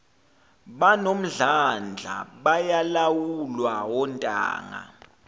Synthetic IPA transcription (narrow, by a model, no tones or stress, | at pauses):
ɓanom̩ɮand͡ɮʱa̰ɓajalawulwawɔntʼa̰ːŋa̰